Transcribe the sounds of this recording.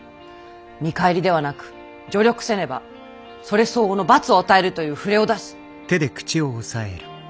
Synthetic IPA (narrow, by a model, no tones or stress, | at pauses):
mʲikaeɾʲid̪e̞β̞anakɯ̟̥ | d͡ʑo̞ɾʲo̞kɯ̟̥se̞ɾe̞ba̰ | so̞ɾe̞so̞ːno̞bat͡sɨo̞at̪ae̞ɾɯ̟t̪o̞jɯ̟ːɸɯ̟ɾe̞o̞d̪asi̥ | t̪e̞d̪e̞kɯ̟̥t͡ɕioːsaḛɾɯ̟